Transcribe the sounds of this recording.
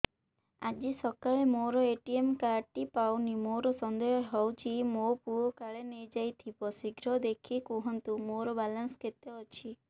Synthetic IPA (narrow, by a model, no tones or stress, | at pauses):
ad͡ʒisɔkaɭemoɾɔeʈiemkaɾʈipawnimoɾɔsɔnd̪ɔjɔɦɔwt͡ʃʰimopuɔkaɭenejd͡ʒajt̪ʰipɔsiɡɾɔd̪ekʰikuɦɔnt̪umoɾɔbalansket̪jɔːt͡ʃʰi